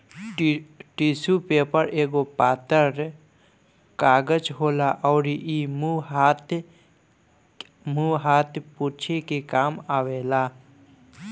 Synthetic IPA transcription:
ʈisupeːpəɾeːɡopaːt̪əɾ | kaːɡəd͡ʒɦoːlaʔɔːɾiʔimuat̪ | muɦaːt̪ʰpuːt͡ʃʰekekaːmaːʋeːlaː

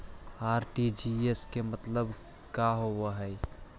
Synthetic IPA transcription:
aːɾʈid͡ʒieskemət̪ləb | kaɦowəɦəj

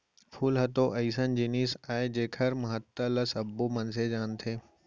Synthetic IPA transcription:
pʰuːlɦɐt̪oʔɐisənd͡ʑiːniːsaːed͡ʑeːkʰəɾmɐɦət̪ːələsɐbomɐnsed͡ʑaːnt̪ʰeː

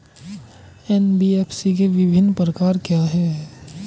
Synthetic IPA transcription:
ɛnbieːpsikeʋɪbʱɪnːpɾəkaːɾkjaɦɛ

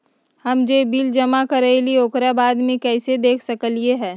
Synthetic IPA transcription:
hɐmd͡ʒeːbiːld͡ʒɐmakɐɾelioːkɾabaːd̪mẽkɛːsed̪eːkʰsɐkəlieɦɛː

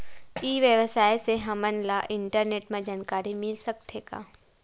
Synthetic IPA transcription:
iːʋjəʋəsaːjseɦɐmənlaʔɪɳʈəɾneːʈmẽd͡ʒaːnkaːɾimɪlsɐk̚t̪ʰeka̰ː

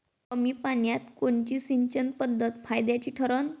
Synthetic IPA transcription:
əmiːpaɳjat̪koɳt͡ɕiːsiɲt͡ɕənpəd̪ʱːət̪fajd̪jat͡ɕiːʈʰəɾən

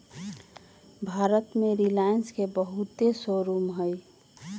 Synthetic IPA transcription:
bʱaːɾət̪mẽɾilajənskebəɦut̪esoɾuːmɦəj

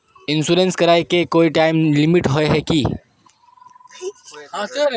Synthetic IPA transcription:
ɪ̃nsuːɾẽnskɐɾaːekekoːiʈaːɪmlɪmiʈɦoeɦɛki

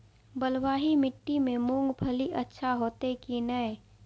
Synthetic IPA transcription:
bəlwaːɦimɪʈːimẽmʊ̃ŋɡbʱəliʔətːʃʰaɦoːt̪ekinəe

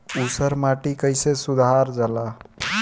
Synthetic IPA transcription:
usəɾmaʈikəɪsesud̪ʱaɾd͡ʒala

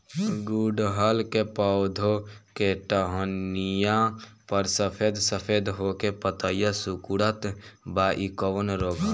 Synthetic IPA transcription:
ɡuɖɦəlkepad̪ʱokeʈəɦonijãpəɾsəpʰeːd̪səpʰeːd̪ɦokepət̪əijasukuɽət̪baʔikoʋənɾoːɡa

